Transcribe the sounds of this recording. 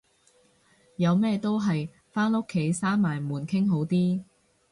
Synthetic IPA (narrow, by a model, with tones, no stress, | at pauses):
jɐ˨˧wmɛː˥t̪o˥wɦɐ˨j | faː˥nʊ˥kʰːe˨˥jsaː˥nmaː˨˩jmuː˨˩nkʰɪ˥ŋɦo˨˥wt̪iː˥